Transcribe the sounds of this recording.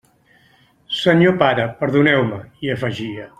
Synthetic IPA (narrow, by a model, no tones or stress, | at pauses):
səɲopaɾəpəɾðunɛwməiəfəʒiə